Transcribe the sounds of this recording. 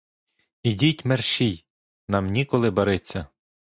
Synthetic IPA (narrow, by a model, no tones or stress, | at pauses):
idʲitʲmerʃij | nɑmnʲikɔlˠɪbɐɾɪt͡sʲːɐ